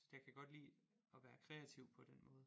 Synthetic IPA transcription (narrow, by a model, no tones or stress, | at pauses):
jakʰæɡ̥ɒ̽d̥lḭːɒ̽ʋæːɐkʰʁɛæt͡sʰiʊ̰pʰɒ̽d̥en̰mɔ̽ːð̞̩ˠ